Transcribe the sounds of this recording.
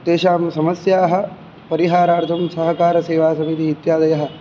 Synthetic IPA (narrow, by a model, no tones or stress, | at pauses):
t̪eːʃaːmsɐmɐsjaːɦɐ̆ | pɐɾiɦaːɾaːɾt̪ʰɐmsɐɦɐkaːɾɐseːʋaːsɐmit̪iɦit̪jaːd̪ɐjɐɦɐ̆